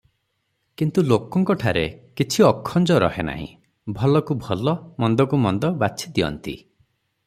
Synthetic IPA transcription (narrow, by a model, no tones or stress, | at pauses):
kint̪ulokɔŋkɔʈʰaɾekit͡ʃʰiɔkʰːɔnd͡ʒɔɾɔ̰hena̰ɦḭ̃ | bʱɔlɔkubʱɔlɔmɔnd̪ɔkumɔnd̪ɔbasʰid̪iɔ̰nt̪ḭ